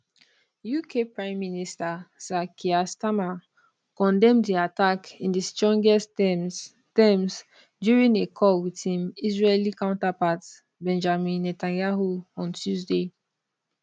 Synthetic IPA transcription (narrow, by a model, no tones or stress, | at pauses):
jukʰepɹãɪ̃mːinistasakʰiastama | kɔ̃ndɛ̃mddiatakĩndistɹɔ̃ŋɡɛs | tɛms | djuɹĩnekʰɔwitʰĩmizɹelikãʊ̃ntapat | bɛ̃nd͡ʒamĩnːɛtãnjaɦuɔ̃ntʰjuzde